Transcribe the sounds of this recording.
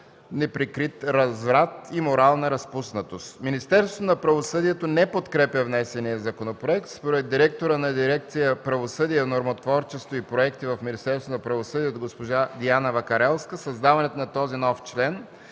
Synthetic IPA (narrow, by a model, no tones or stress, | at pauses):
nɛpɾikɾit̪ɾɐzvɾat̪imoɾalˠnəɾɐspusnɐt̪ost̪minist̪ɛɾsvot̪onɐpɾɐvosɤd̪iɛt̪onɛpot̪kɾɛpʲjəvnɛsɛnijəzɐkonopɾoɛk̚t̪spoɾɛd̪ːiɾɛk̚t̪oɾənɐd̪iɾɛk̚t̪sijəpɾɐvosɤd̪iɛnoɾmot̪vɔɾt͡ʃɛst̪voipɾoɛkt̪ivɐfminist̪ɛɾsonɐpɾɐvosɤd̪iɛt̪ɡospoʒad̪ianɐvɐkɐɾɛlˠskəsɐzd̪avɐnɛt̪onɐt̪ɔzinɔft͡ʃlɛn